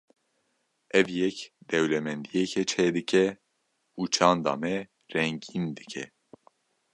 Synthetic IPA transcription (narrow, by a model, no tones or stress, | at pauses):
ʔɛvjɛkd̪ɛwlɛmɛnd̪ijɛkʰɛt͡ʃʰɛːd̪ɨkʰɛ | uːt͡ʃʰɑːnd̪ɑ̰ːmɛ | rɛŋɡind̪ɨ̥kʰɛ̰